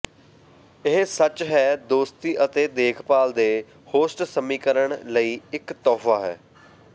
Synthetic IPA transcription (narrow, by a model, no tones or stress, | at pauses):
ɪɦsət͡ʃɦɛːd̪oːst̪iːʔət̪eːd̪eːkʰpaːld̪eː | hoːsʈsəmiːkəɾəɳləiːɪkt̪ɔːfʰaːɦɛ̰ː